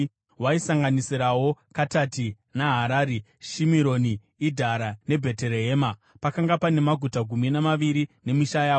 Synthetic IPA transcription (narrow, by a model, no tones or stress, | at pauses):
waisaŋɡanisiɾawo̞katati | naɦaɾaːɾe | ʃimiɾo̞niː | dʱaɾane̞bʱe̞te̞ɾeɦeːma | pakaŋɡapane̞maɡʱutaɡʱuminamaʋiɾine̞miʃajaːo